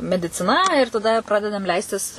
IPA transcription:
mʲɛdʲɪt͡sʲɪˈnɐ ɪr tɐˈdɐ ˈprɑːdʲɛdɐm ˈlʲɛɪsʲtʲɪs

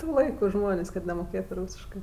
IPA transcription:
ˈtuː ˈlˠɐɪkʊ ˈʒmoːnʲeːsʲ kɐt nʲɛmoːˈkʲeːtʊ ˈruːsʲɪʃkɜ

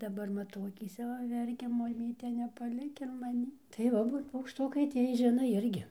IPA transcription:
dɐˈbɐr mɐˈtɐʊ ɐkʲiːˈsʲɛ ʋɐ ˈʋʲɛrʲkʲɛ mɐˈmʲiːtʲɛ nʲɛpɐˈlʲɪk ɪr mɐˈnʲiː tɐɪ ˈʋɐ ˈbuːt pɐʊkʃˈtʊkɐɪ ˈtʲiɛj ˈʒʲɪnoː ˈɪrʲɡʲɪ

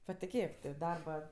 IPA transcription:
pɐtʲɪˈkʲeːk tʲɪ ˈdɐrbɐ

